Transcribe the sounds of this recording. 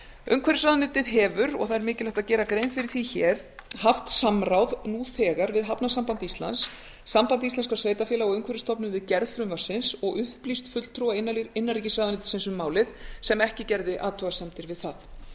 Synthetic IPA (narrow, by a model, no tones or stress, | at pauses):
œ̰ŋkʰvɛɾɪsɾaːðanɪːt̪ɪðɦɛːvʏɾɔ̰ɣθaðɛɾmɪːcɪlɛjht̪aðcɛːɾakɾeːjnfɪɾɪɾ̥θiçɛɾ̥ | haft̪samɾawðnuθɛːɣaɾvɪðɦapnasampant̪ist̪la̰nsː | ampant̪ist̪ɛnskasveːjt̪afjɛːlaɔɣʏŋkʰvɛɾɪst̪ɔpnʏnvɪðcɛɾðfɾʏmvḁsɪnsɔɣʏhplist̪fʏt̪l̥t̪ʰɾuːaɪnːaɪnːaɾriːcɪsvaːðanɪːt̪ɪ̥sɪnsʏmːaːwlɪðsɛmɛhcɪcɛɾðɪʔaːt̪ʰɔɣasɛmt̪ɪɾvɪðθaθ